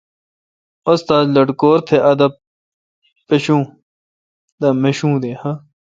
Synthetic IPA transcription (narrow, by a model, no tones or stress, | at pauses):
ost̪aːzlɐɖkoːɾt̪ʰeʔɐd̪ɐ | pɐɕũː | d̪ɐmɐɕũːd̪ehɐ